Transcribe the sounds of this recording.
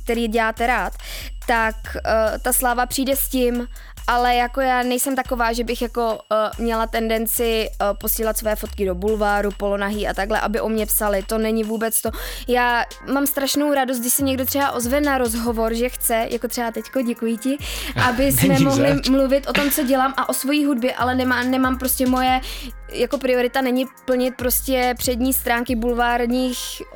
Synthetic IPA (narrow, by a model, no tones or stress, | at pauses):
k̚t̪ɛɾiːɟɛlaːt̪ɛɾaːt̪ː | akt̪aslaːvapr̥iːdɛscɪm | ʔalɛjako̞jaːnɛjsɛmt̪ako̞vaːʒɛbɪxjako̞mɲɛlat̪ɛndɛnt͡sɪpo̞siːlat̪svo̞jɛfo̞t̪kɪdo̞bulvaːɾupo̞lo̞naɦiːʔa̰t̪aɡlɛʔabɪʔo̞mɲɛpsalɪt̪o̞nɛɲɪvuːbɛt͡st̪o̞jaː | mamst̪ɾaʃnowɾadost̪̚dɪʃsɛɲɛɡ̚dot̪r̥ɛbaʔo̞zvɛnaɾo̞zɦo̞vo̞ɾʒɛxt͡sɛjʔakot̪r̥ɛbat̪ɛcko̞ɟɛkujɪcɪʔabɪsmɛmoɦlɪmluvɪt̪ʔo̞t̪o̞mt͡so̞ɟɛlaːmʔaʔo̞svo̞jiːɦud̚bjɛʔa̰lɛnɛmanɛmaːmpɾo̞scɛmo̞jɛ | jako̞pɾɪo̞ɾɪt̪anɛɲɪpl̩ɲɪt̪̚pɾo̞scɛpr̝̥ɛdɲiːst̪ɾaːŋkɪbulvaːɾɲiːx